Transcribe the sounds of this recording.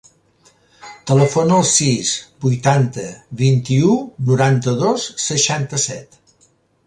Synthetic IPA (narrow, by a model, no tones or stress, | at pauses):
t̪ələfonəlˠsizbujt̪ant̪əβint̪iunuɾant̪əðosːəʃant̪əsɛt̪